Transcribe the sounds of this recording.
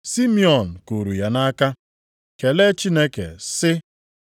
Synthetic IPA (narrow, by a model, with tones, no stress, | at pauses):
si˦mi˦ɔ˨n̩˨ko˨ɾu˨ja˨na˦ka˦ | ke˨le˦t͡ʃi˦ne˦kḛ˨sɪ˦